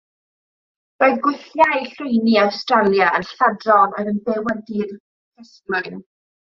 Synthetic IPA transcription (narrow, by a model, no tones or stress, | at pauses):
b̥oðɡwɪθjajɬʊjniawstralˠjaənɬadrɔnɔɾənbɛwɛdir | kʰəslʊn